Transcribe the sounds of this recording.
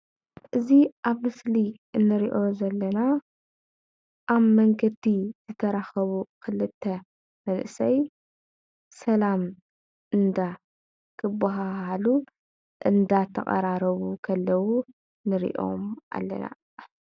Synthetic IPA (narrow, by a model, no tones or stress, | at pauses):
ʔɨziʔaβmɨsliʔɨnːɨɾiʔo̞zɐlːɐna | ʔaβmɐŋɡɐd̪iz̥ɨt̪ʰɐɾaxɐβukʰɨlɨt̪ʰːɐ | mɐnʔɨsɐj | sɐlam | ʔɨnd̪a | kʰɨbːaɦahalu | ʔɨnd̪at̪ʰːɐχʼɐ̰ɾaɾɐβukʰɐlːɐwu | nɨɾḭʔo̞̰mʔa̰lːɐ̰na̰